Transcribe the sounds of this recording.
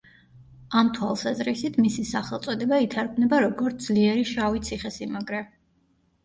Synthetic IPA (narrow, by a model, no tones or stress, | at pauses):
amt̪ʰwalˠsazɾisit̪ʰmisisaχɛlˠt̪sʼɔd̪ɛbait̪ʰaɾɡʰmnɛbaɾɔɡɔɾt̪ʰd̪z̥liɛɾiʃavit̪sʰiχɛsimaɡɾɛ